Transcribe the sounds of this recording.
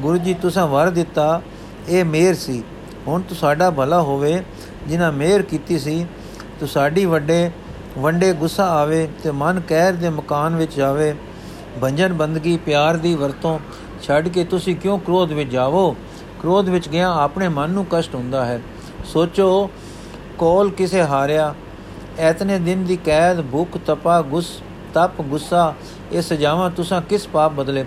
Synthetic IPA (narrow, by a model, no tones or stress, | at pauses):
ɡʊɾuːd͡ʒiːt̪ʊsãːʋəɾd̪ɪt̪ːaː | eːmeːɾsiː | ɦʊɳt̪ʊsaːɖaːbʱəlaːɦoːʋeː | d͡ʒɪnãːmeːɾkiːt̪iːsiː | t̪ʊsaːɖiːʋəɖeː | ʋəɳɖeːɡʊsːaːaːʋeːt̪eːmənkɛːɾd̪eːməkaːnʋɪt͡ʃd͡ʒaːʋeː | bəɲd͡ʒənbənd̪ɡiːpjaːɾd̪iːʋəɾt̪õː | t͡ʃʰəɖkeːt̪ʊsĩːkjõːkɾoːd̪ʋɪt͡ʃd͡ʒaːʋoː | kɾoːd̪ʋɪt͡ʃɡɪãːaːpɳeːmənːũːkəsʈɦʊ̃nd̪aːɦɛː | soːt͡ʃoː | kɔːlkɪseːɦaːɾejaː | ɛːt̪nẽːd̪ɪnd̪iːkɛːd̪bʱʊkʰt̪əpaːɡʊs | t̪əpɡʊsaː | eːsəd͡ʒaːʋãːt̪ʊsãːkɪspaːp̚bəd̪leː